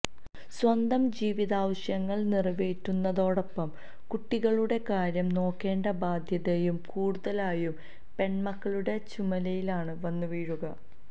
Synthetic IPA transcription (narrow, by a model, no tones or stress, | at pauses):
swɐnd̪ɐmd͡ʑiːʋiðaːʋɐɕjɐŋːɐɭnirɐʋeːtːunːɐðo̞ːɽopːɐm | kuʈːiɣɐɭuɽe̞kaːɾjɐmno̞ːkːe̞ːɳɖɐbaːd̪ʱjɐðejumkuːɽuðɐlaːjum | pe̞ɳmɐkːɐɭuɽe̞t͡ɕumɐlɐjilaːɳɨʋɐnːuʋiːɻuɣɐ